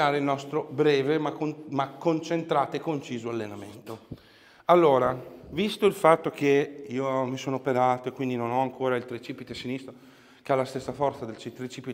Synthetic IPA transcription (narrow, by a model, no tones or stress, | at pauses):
aːɾeilnɔst̪ɾobɾɛːvemamakːont͡ʃent̪ɾaːt̪oekːont͡ʃiːzoalːenament̪o | alːoːɾavist̪oilfat̪ːok̟eiːomisoːnoopeɾaːt̪oekːwind̪inonɔaŋkoːɾailt̪ɾet͡ʃipit̪esinist̪ɾo | kealːast̪esːafɔrt̪sad̪elt͡ʃit̪ɾet͡ʃipi